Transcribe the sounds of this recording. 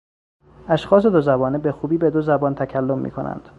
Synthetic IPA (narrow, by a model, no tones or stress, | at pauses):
ʔæʃxɒːs̬e̞d̪ozæbɒːnebexuːbiːbe̞d̪ozæbɒːnt̪ʰæcʰælːomːḭːkʰo̞̰næ̰nd̪̥